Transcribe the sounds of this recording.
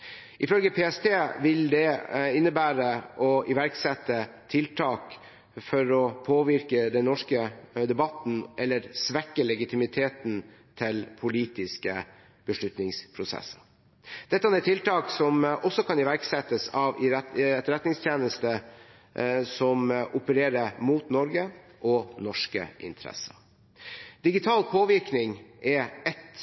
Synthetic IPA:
ʔɪfœlɡəpʰeːɛst̪ʰeːʋɪld̪ɛɪnːəbæːɾəʔɔʔɪʋæɾksɛt̪ːət̪ʰɪlt̪ʰɑːk | fɔɾɔpʰoːʋɪɾkəd̪ɛnnːɔʂkəd̪ɛbɑt̪n̩ʔɛlːəɾsʋɛkːəlɛɡɪt̪ʰɪmɪt̪ʰeːt̪n | t̪ʰɪlpʰʊliːt̪ɪskə | b̥əʂɭʉt̪nɪŋspʰɾʊsɛ̰sːɑ̥ | d̪̥ɛt̪ːəɑnɛt̪ʰːɪlt̪ʰɑːksɔmʔɔsːɔkʰɑnɪʋæɾksɛt̪ːəsɑʋɪɛɛt̪ɾɛt̪nɪŋst̪ʰjeːnəst̪ə | sɔmʔʊpəɾeːɾəmuːt̪nɔɾɡə | ʔɔnɔʂkə̰ʔɪ̰nt̪ʰɾɛ̰sə | d̪̥ɪɡɪt̪ʰɑːlpʰoːʋɪɾknɪŋʔɛɛt̪

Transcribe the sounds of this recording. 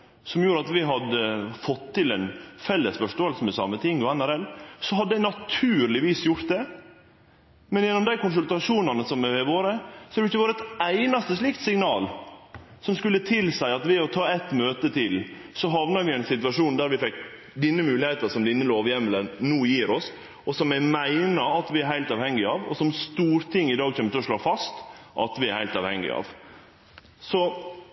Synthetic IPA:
sɔmjuːɾəɑt̪ʋɪɦɑd̪əfɔt̪ʰːɪlɛnfɛlːəsfɔʂʈoːəlsəmɛsɑ̰mːət̪ʰɪŋːɔænæɾɛlsɔɦɑd̪ːəd̪æɪnɑt̪ʰʉːɾlɪʋiːsjʊɾt̪̚d̪ɛ | mɛnjɛnːɔmd̪æɪkʰʊnsʉlt̪ɑʂuːnɑnəsɔmɛʋɛʋoːɾəsɔhɑd̪ɛɪçːəʋoːɾəɛt̪æɪnɑst̪əsliːkt̪sɪŋnɑːl | sɔmskʉlːət̪ʰɪlsæɪɑt̪ʋɛːɔt̪ʰɑːɛt̪møːt̪ət̪ʰɪl | sɔɦɑʋnɑɾʋɪɛɪnsɪt̪ʉʋɑʂuːnd̪æɾʋɪfɛk | d̪ɪnːəmʉːlɪheːt̪əsɔmd̪ɪnːəloːʋjɛmːələnnuːjiːɾɔs | ɔsɔmæmæɪnɑɑt̪ʋɪæɾɦæɪlt̪ɑːʋhɛŋːɪɑːʋɔ̰sɔmst̪uːɾt̪ʰɪŋːɪd̪ɑːɡçɛmːɪçəɔʂloːfɑst̪ʔɑ̰t̪ʋɪæɾhæɪlt̪ɑːʋhɛŋːɪ̰ɑ̰ːʋ | sɔ

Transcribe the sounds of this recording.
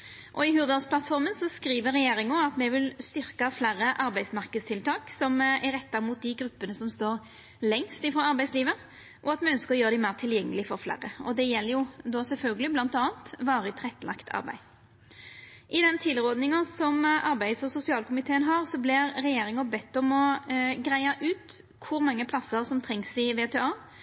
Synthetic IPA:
ʔɔɪɦʉːʁd̪ɑspʰlɑt̪fɔʁmənsɔskɾiːʋəɾɛjeːʁɪŋʊɑt̪mɛʋɪlst̪ʏɾkɑflæɾːəʔɑɾbæɪsmɑʁkəd̪st̪ʰɪlt̪ʰɑːksɔmæɾɛt̪ːɑmuːt̪̚d̪ɪɡɾʉpːənəsɔmst̪oːɾ | lɛŋst̪ɪfʁoːɑɾbæɪsliːʋə | ʔɔɑt̪mɛœnskəɾɔjøːʁəd̪ɪmæɪʁt̪ʰɪljɛŋːəlɪfɔɾflæ̰ɾəɔ̰d̪ɛjɛlːəjʊd̪ɔsɛlfœlɡəlɪblɑnt̪ɑːɑnt̪ʋɑːɾət̪ʰʁɛt̪ːlɑ̰kt̪ʰɑ̰ʁbæ̰ɪ | ʔɪd̪ɛnt̪ʰɪlʁɔːd̪nɪŋɑsɔmʔɑɾbæɪd̪sɔsʊsɪɑːlkʊmɪt̪ʰeːənɦɑʁsɔblɪɾɾɛjeːɾɪŋəbɛt̪ːɔmɔɡʁæɪɑʔʉːt̪ | kʰʊɾmɑŋːəpʰlɑsəɾsɔmt̪ʰɾɛŋsɪʋeːt̪ʰeːɑː

